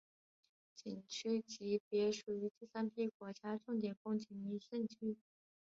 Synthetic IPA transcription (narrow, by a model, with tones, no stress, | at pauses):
t͡ɕi˨˩ŋt͡ɕʰy˥t͡ɕi˧˥pjɛ˧˥ʂu˨˩y˧˥t̪i˥˩sa˥npʰi˥˩kwɔ˧˥t͡ɕja˥ʈ͡ʂʊ˥˩ŋt̪̬jɛ˨˩nkʊ˥ŋt͡ɕʰi˧˥ni˧˥ɕɛ˥˧nt͡ɕʰy˥